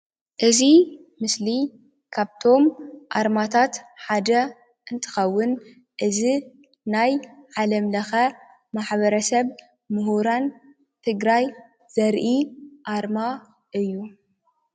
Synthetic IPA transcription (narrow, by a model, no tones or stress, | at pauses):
ʔɨzi | mɨsli | kʰaβt̪ʰo̞mʔa̰ɾmat̪ʰat̪ħad̪ɐ | ʔɨnt̪ʰɨ̥xɐwːʊn | ʔɨzi | najʕalɐmlɐxɐ | maħβɐɾɐsɐβ | mɨɦuɾan | t̪ʰɨɡɾaj | z̥ɐɾʔiʔaɾma | ʔɨjːu